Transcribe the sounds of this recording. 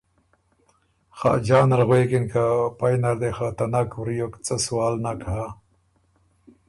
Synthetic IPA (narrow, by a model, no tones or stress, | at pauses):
xa̰ːd͡ʑaːnɾɣweːkinkapajnɐɾd̪exat̪ɐnakwɾijokt͡sɐsuwaːlnakaɦa